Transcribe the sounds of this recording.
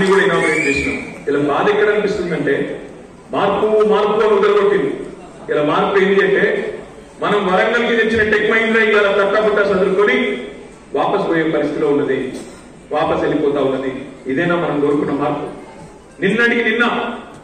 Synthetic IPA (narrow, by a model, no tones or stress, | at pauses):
niɡuɽɐinaːmɐent͡ʃeːsina̰ːmilabaːd̪ɛkːɐɽɐnipist̪unɐɳʈe̞ː | maːɾkːumaːɾkːuɡɐːnud̪ɐlɐboʈːind̪i | ilaːmaːɾpːuend̪iɐɳʈe̞ː | mɐnɐmʋɐɾɐŋɡɐlikit̪et͡ʃːinɐʈekmɐjinɾɐiʋaːlaːt̪ɐkːabuʈːaːsɐd̪uɾukoːni | ʋaːpɐsboːjeːpɐɾist̪i̥t̪ilo̞ːuɳːɖɐd̪i | ʋaːpɐselːipɔːt̪aːunːɐd̪iid̪ɛjnaːmɐnɐmɡo̞ːɾukunːɐmaːɾpːu | ninːɐʈikininːɐ